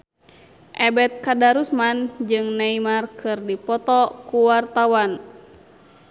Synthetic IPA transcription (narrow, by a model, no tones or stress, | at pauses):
ʔɛbɛt̪̚kadaɾusmand͡ʒɨŋnaimarkʰɨrdipɔt̪ɔkuwart̪awan